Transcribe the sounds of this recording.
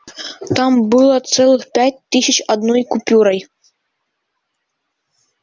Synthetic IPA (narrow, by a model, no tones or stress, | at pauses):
t̪ɑmbɨlˠɑt̪sɛlˠɨxpʲæt̚ʲt̪ːɨsʲɘ̆t͡ɕɒd̪nojkupʲuɾɑj